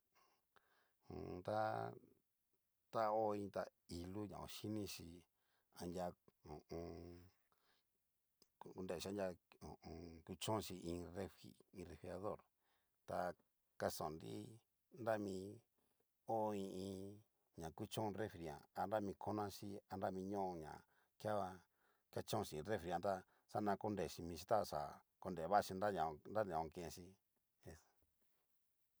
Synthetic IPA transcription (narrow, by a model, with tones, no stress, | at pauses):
hṵ̃˨˧t̪a˦ | t̪a˦o˦˧ĩ˧t̪a˧i˧lu˦ɲã̰˨o̰˧ʃi˦nĩ˦ʃi˧ | a˧ndʲa˧õ˨õ˧ | ku˧nd̪e˦˨i˦a˦dʲa˧õ˨õ˧ku˦˧t͡ʃõ˦˧ʃi˧ĩ˧re˦fḭ˨ĩ˧re˧fi˧a˧ðo˦˨ɾ | t̪a˧ | ka˧sõ˨nɾḭ˦ | nda˦mĩ˧ | o˦˧ĩ˧ĩ˧ | ɲã˨ku˦t͡ʃõ˦˧re˦fɾi˨ã̰˨a˧nda˦mĩ˧kʰo˦nã˦ʃi˦a˧nda˦mĩ˧ɲõ˦ʔõ˧ɲã̰˨ | kja˦βa˧ | ka˦t͡ʃõ˦˧ʃi˧˨˧ɾe˦fɾi˨˧ã˧t̪a˦ | sa˦nã˧ko˦nd̪e˨ʃi˧mĩ˧ʃi˧t̪a˦˧˨ʂa̰˨ | ko˧nd̪e˨βa˦˧ʃi˧na˦ɲã˨˧nda˦n˨ã˨õ˧kẽ˧ʃi˧ | e˧